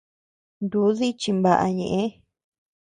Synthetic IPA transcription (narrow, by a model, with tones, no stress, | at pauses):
nd̪u˨˦ði˦t͡ʃi˧mba˧ʔa̰˧ɲẽ˨ʔẽ˦